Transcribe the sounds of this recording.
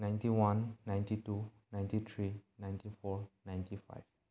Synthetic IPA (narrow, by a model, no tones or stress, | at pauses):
nãj̃ntiwãnːãj̃ntitunãj̃ntit̪ʰɹinãj̃ntifɔnãj̃ntʰifa̰jv̥